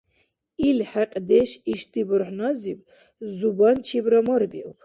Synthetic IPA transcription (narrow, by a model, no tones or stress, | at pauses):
ilħɛqʼd̪ɛʃiʃt̪ibɾħnɔzib | zubant͡ʃʰibɾɔmɔɾbḭw